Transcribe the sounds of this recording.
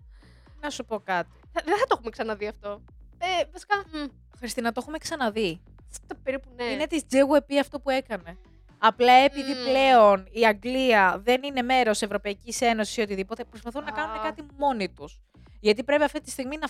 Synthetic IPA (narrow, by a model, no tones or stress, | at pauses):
nɐsupo̞kɐt̪i̥ɐðeθɐt̪oxumeksɐnɐðiɐft̪o̞ | evɐsi̥kɐ | xɾist̪inɐt̪o̞xume̞ksɐnɐði | st̪ɐpeɾipuneinet̪izd͡zeɣue̞piɐft̪o̞pue̞kɐne̞ | ɐplɐe̞piðiple̞o̞niɐŋɡliɐðe̞nine̞me̞ɾo̞se̞vɾo̞pɐicise̞no̞sisiot̪iðipo̞t̪e̞pɾo̞spɐθunːɐkɐnume̞kɐt̪imo̞nit̪us | ʝɐt̪ipɾe̞piɐft̪it̪ist̪iɣminɐ